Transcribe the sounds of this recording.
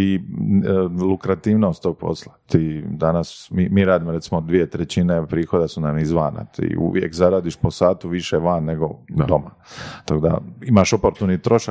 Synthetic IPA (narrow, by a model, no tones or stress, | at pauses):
i | lukɾat̪iːʋnost̪oɡ̚po̞̰slat̪iːd̪anasmimiɾaːd̪imoɾe̞t̪simod̪ʋije̞t̪ɾet͡ɕine̞pɾiːxo̞d̪asunamizʋaːna̰t̪ḭːṵʋjḛkzaɾaːd̪iʃpo̞saːt̪uʋiʃeʋaːnːe̞ɡo̞̰d̪o̞ma | t̪ako̞d̪a̰imaʃopo̞ɾt̪unit̪ɾo̞ʃa